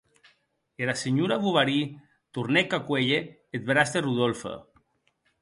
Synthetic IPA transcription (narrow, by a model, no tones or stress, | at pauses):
eɾaseɲuɾaβuβaɾi | t̪uɾnekakweʎeː | t̪̚βɾast̪eruðolfḛ